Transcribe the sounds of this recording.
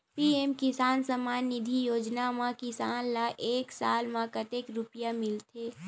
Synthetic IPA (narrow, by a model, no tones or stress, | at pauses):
piemkɪsaːnsəmaːnːɪd̪ʱijoːd͡ʒnamãkɪsaːnlaʔeːksaːlmãkət̪ekɾʊpjamɪlt̪ʰeː